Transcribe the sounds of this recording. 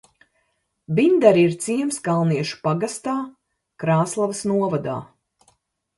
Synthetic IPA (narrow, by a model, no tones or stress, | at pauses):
bind̪aɾiɾt̪siɛmsɡalˠniɛʃu̥paɡast̪aː | kɾaːslˠavəsnuɔvad̪a̰ː